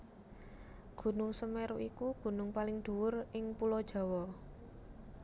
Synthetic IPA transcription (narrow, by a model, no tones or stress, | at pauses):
ɡ̥ṳnʊŋsəmɛɾuʔikuɡ̥ṳnʊŋpalɪŋd̪̥ṳwʊrɪŋpulɔd̥ʒ̥a̤wɔ